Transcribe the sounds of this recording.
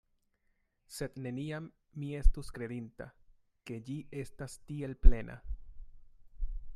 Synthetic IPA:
se̞dne̞niamː | ie̞stuskɾe̞dinta̰ | ke̞d͡ʒie̞stastie̞lple̞nʔa̰

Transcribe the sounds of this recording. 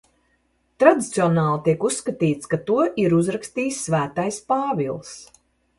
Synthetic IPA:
t̪ɾad̪it̪siɔnaːlˠt̪iɛkusːkat̪iːt̪skat̪uɔʔiɾuzɾakst̪iːsːvæːt̪ajspaːvilˠs

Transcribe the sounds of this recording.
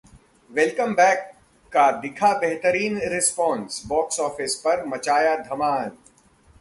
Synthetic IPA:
ʋɛlkəmbɛːkː | ad̪ɪkʰabɛɦt̪əɾiːnɾɪspɔ̃ːnsbɔːksɔːfɪspɐɾmɐt͡ʃaːjad̪ʱɐmaːɦən

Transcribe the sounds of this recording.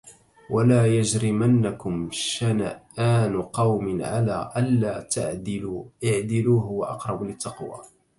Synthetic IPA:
walaːjad͡ʒɾɪmanːakʊmʃanaʔaːnqɑwmɪnʕalaːʔanːaːt̪a̰ʕʔɪʕd̪ɪluːɦʊwaʔɑ̰qɾˤɑblɪt̪ːɑqwa̰ː

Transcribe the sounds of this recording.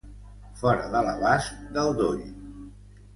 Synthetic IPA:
fɔɾəðələβask̚d̪əlˠd̪oʎ

